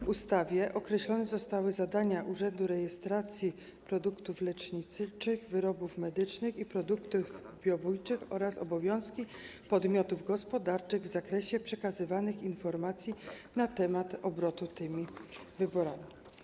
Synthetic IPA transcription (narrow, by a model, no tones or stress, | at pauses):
vust̪avʲjɛʔɔkɾɛɕlɔnɛzɔst̪awɘzad̪aɲaʔuʐɛnd̪uɾɛjɛst̪ɾat̪sʲji | pɾɔd̪ukt̪uflɛt͡ʂɲit̪sɘt͡ʂɘɣvɘɾɔbufmɛd̪ɘt͡ʂnɘxipɾɔd̪ukt̪uv | bʲjɔbujt͡ʂɘxɔɾasɔbɔvʲjɔ̃w̃skʲipɔd̪mʲjɔt̪uvɡɔspɔd̪aɾt͡ʂɘɣvzakɾɛɕɛpʂɛkazɘvanɘxinfɔɾmat̪sʲjinat̪ɛmat̪ɔbɾɔt̪ut̪ɘmʲivɘbɔɾamʲi